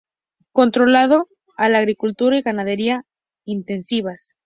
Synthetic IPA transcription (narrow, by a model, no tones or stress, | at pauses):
ko̞nt̪ɾo̞lað̞o̞ | alaːɣɾikult̪uɾaiɣanað̞e̞ɾia | int̪e̞nsiβas